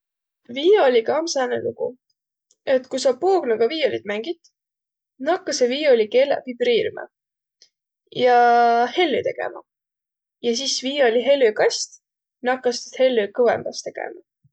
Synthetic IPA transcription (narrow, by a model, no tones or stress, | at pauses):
viːolʲikɑmsɑːnḛluɡ̥ṵ | e̞t̪kusɑpuːɡnɑɡ̥ɑviːolʲid̪mæŋɡ̥id̪ | nɑkːɑseviːo̞lʲike̞lḛvib̥riːɾmɑ̰ | jɑhe̞lːyt̪e̞ɡ̥e̞̰mɑ̰ | jɑs̬isviːo̞lʲiɦe̞lːykɑsʲt̪ | nɑkːɑst̪he̞lːykɤvḛmb̥ɑst̪e̞ɡ̥ḛmɑ